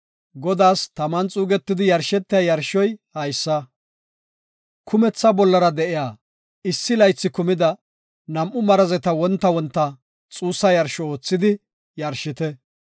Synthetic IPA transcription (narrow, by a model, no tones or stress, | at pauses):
ɡɔd̪aːst̪ɐmɐnt͡sʼuːɡɛt̪ːɪd̪ɪjɐɾʃɛt̪ːɪjɐjɐɾʃɔjhɐjsːɐ | kʰʊmɛt͡sːɐbɔlːɐɾɐd̪ɛʔɪjaː | ɪsːɪlɐjt͡sːɪkʊmɪd̪ɐ | nɐmʔʊmɐɾɐzɛt̪ɐwɔnt̪ːɐwɔnt̪ːɐ | t͡sʼuːsːɐjɐɾʃɔoːt͡sːɪd̪ɪ | jɐɾʃɪt̪ɛ